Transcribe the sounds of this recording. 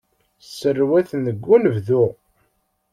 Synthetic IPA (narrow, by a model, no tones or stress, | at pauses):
sərːwæθənðəɡʷːunəvðu